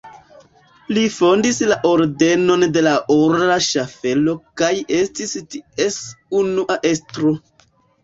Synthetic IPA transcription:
lifo̞ndislaʔo̞ɾde̞no̞nde̞laʔoɾɾaʃafe̞lo̞kaje̞stistie̞sunuʔaʔe̞stɾo̞

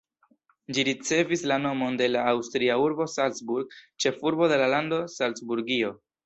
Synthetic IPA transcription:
d͡ʒiɾit͡se̞vislano̞mo̞nde̞laːwstɾiauɾbo̞salsbuɾɡt͡ʃe̞fuɾbo̞de̞lalando̞salt͡sbuɾɡio̞

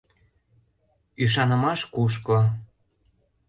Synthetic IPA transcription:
yʃ̬ɑnə̆mɑʃkuʃ̬ko

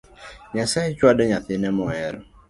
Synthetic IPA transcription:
ɲasaɪt͡ʃwadɔɲaθɪnɛmɔɛɾɔ

